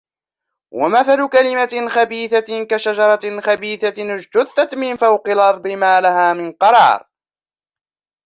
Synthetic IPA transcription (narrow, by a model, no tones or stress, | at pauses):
wamaθalʊkalɪmaxabiːθakaʃad͡ʒɑɾˤɑxabiːθaɪd͡ʒt̪ʊθːat̪mɪnfawqɑlʔɑɾˤd̪ˤɨmaːlaɦaːmɪnqɑɾˤɑ̰ːɾˤ